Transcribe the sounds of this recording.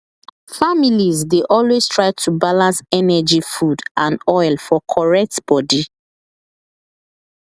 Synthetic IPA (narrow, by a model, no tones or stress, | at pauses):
familizdeʔɔlwez̥tʰɹaɪtʰubalãnsɛnɛd͡ʒifudãnɔɪlˠfɔkʰɔɹɛk̚tb̥ɔdi